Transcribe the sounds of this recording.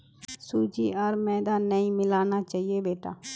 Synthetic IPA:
suːd͡ʒiːəɾmɛ̃ːd̪aːnəĩːmɪlaːnaːt͡ʃaːɦieːbeːʈa̰ː

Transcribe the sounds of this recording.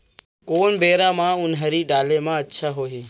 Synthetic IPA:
koːɳbeːɾaːmãːʊnɦəɾiːɖaːlẽːmãːətːʃʰaːɦoːɦiː

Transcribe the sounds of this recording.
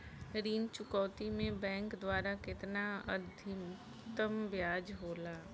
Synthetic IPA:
ɾiːnt͡ʃʊkɔːt̪imẽbɛ̃ːŋkd̪waːɾakɪt̪naɐd̪ʱim | t̪əmbjaːd͡ʒɦoːlaː

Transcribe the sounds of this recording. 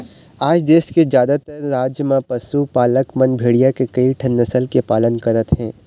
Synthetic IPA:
aːd͡ʒd̪eːskezjaːd̪at̪əɾːaːd͡ʒjəmãpɐsupaːləkmɐnbʱeːɽijakekɐiʈʰɐnːɐsəlkepaːlənkɐɾət̪ɦɛ̃ː

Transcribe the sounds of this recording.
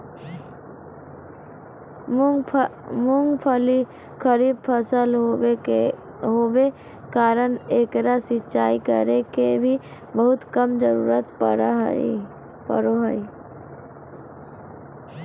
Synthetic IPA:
mʊŋɡpʰəli | kʰəɾiːb̚pʰəsəl | ɦoːbe | kaːɾəneːkɾasɪtːt͡ʃaːikə̰ɾekebʱi | bəɦʊt̪kəmd͡ʒəɾṵːɾət̪pəɾɦ | pə̰ɾoɦəi

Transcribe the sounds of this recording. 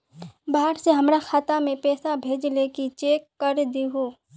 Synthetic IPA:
baːɦəɾseɦɐmɾaxʰaːt̪amẽpɛːsabʱeːd͡ʒlekit͡ʃeːkːəɾd̪iɦoː

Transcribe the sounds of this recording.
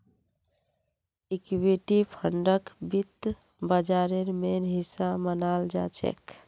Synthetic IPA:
ikweʈipʰəɳɖəkbit̪ | bəd͡ʒaɾeɾmenɦisamənald͡ʒa̰t͡ʃʰḛk

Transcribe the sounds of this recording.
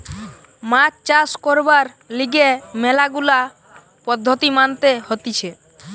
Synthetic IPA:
mat͡ɕt͡ɕaskɔɾbaɾ | liɡemɛlaɡula | pɔd̪ʱːot̪imant̪ehot̪it͡ɕʰe

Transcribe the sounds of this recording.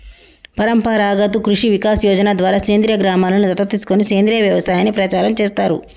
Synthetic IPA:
pɐɾɐmpɐɾaːɡɐt̪̬ukɾuʂiʋikaːsjɔːd͡ʒɐnad̪ʋaːɾaːseːnd̪ɾjɐɡɾaːmaːlɐnud̪ɐt̪ːɐt̪iːsu̥koniseːnd̪ɾijɐʋjɐʋɐst̪aːjɐnipɾɐt͡ʃaːɾɐmt͡ʃeːst̪aːɾṵ

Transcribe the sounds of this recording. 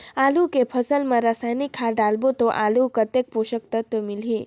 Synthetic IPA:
aːlukepʰəsəlmãɾasajnikʰːaɖalbot̪oʔalukət̪ek̚poʃək̚t̪ət̪wəmilɦi

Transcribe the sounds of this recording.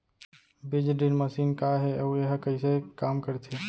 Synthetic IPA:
bid͡ʒɖinməsiːnkaɦeəueɦkəɪsekamkəɾt̪ʰe

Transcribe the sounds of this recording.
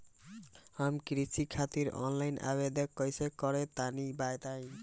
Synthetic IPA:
amkɾisʰikʰat̪iɾɔ̰nlajnʔa̰bed̪ekːɔjsekːɔɾet̪anibajt̪aj

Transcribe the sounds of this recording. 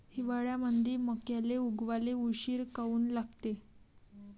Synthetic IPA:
hiʋaɭjamənd̪ʱiːməkjaleuɡʋaleuɕiːɾkauːnlaɡt̪e

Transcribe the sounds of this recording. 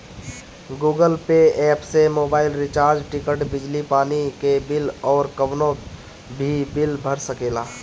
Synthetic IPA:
ɡuːɡəlpeɛːpsemoːbaːɪlɾɪt͡ʃaːɾd͡ʒʈɪkəʈbɪd͡ʒlipaːnikebɪlɔːɾkəʋnõ | bʱibɪlbʱəɾsəkeːlaː

